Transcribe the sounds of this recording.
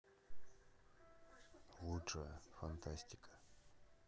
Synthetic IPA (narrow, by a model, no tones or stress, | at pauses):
lˠuʂəjəfant̪ʰasʲtʲi̥kʰʼə̥